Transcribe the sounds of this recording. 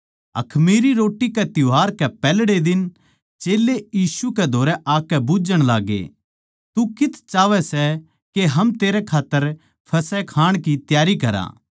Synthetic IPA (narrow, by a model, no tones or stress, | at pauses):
ɐ̰kʰmiːɾiɾoːʈːikɛt̪jʊɦaːɾkɛpɛːlɽed̪ɪn | t͡ʃeːlːejiːsukɛd̪ʱoːɾɛʔaːkɛbʊd͡ʒəɽ̃laːɡḛ | t̪ukɪt̪ʰt͡ʃaːʋɛsɛ | keɦɐmt̪eːɾɛkʰaːt̪ːəɾ | pʰɐsɛkʰaːɽ̃kit̪jaːɾikɐɾa̰ː